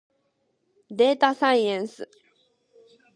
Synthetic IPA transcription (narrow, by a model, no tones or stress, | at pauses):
d̪ɛt̪asãnjɛnsɨ